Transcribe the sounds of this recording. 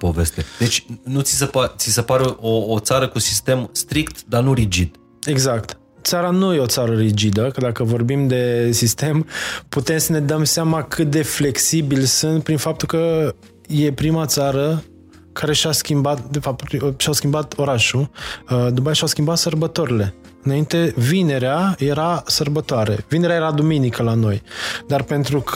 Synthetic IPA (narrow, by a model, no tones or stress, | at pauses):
po̞ve̞st̪ed̪e̞t͡ʃʲnut̪sisepat̪sisəpaɾeʔoːt̪saɾəkusist̪e̞mst̪ɾikt̪d̪anuɾid͡ʒid̪̥ | e̞ɡzak̚t̪ | t̪saɾanuje̞ot̪saɾəɾid͡ʒid̪əkəd̪akəvo̞rbimd̪e̞sist̪e̞mput̪e̞msəne̞d̪əmseamakʰɨt̪̚d̪e̞fle̞ksibilsunt̪̚pɾinfap̚t̪ulkə | je̞pɾimat̪saɾə | kʰaɾe̞ʃaskʲimbat̪̚d̪e̞fap̚t̪ʃawskʲimbat̪o̞ɾaʃu | d̪umpajeʃawskʲimbat̪sərbət̪o̞ɾile̞ | ɨnaint̪e̞vine̞ɾeaje̞ɾasərbət̪oaɾe̞̰vine̞ɾeajeɾad̪uminikəlano̞jd̪arpe̞nt̪ɾuk